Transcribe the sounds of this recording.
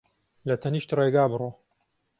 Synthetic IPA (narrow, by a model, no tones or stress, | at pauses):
lɐt̪ʰɐniːʃt̪reɡaːbɨro